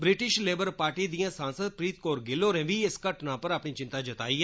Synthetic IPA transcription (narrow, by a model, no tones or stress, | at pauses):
bɾɪʈɪʃleːbəɾpaːɾʈiːd̪ijãːsãːnsəd̪̚pɾiːt̪̚koːɾɡɪloːɾẽːʋiːɪskəʈnãːpəɾaːpɳiːt͡ʃɪ̃nt̪aːd͡ʒət̪a̰ːiːɦɛ